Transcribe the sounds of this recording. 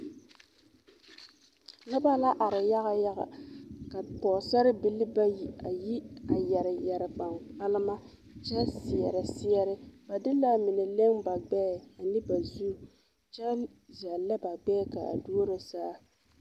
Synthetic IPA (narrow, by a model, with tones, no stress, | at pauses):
nɨ˦ba˦la˦ʔa˨ɾɪ˨ja˦ɣa˦ja˦ɣa̰˨ka˨pɔː˨sa˦ɾɪ˦bi˦lɪ˦ba˦ji˨a˨ji˦a˨jɛ˨ɾɪ˨jɛ˨ɾɪ˨ba˨ŋk͡pa˦lɪ˦ma˦ | t͡ʃɛ˦lsɪ˨ɛ˨ɾɪ˨sɪ˦jɛ˦ɾɪ˦b̥a˨dɪ˦la˦mɪ˨nɨ˨le˦ŋba˨ɡ͡bɛː˦˨a˨nɨ˦ba˨zu˦ | t͡ʃɛ˦l | za˨lːa˦ba˨ɡ͡bɛː˦ka̰˨a̰˨doː˦ɾɪ˨saː˦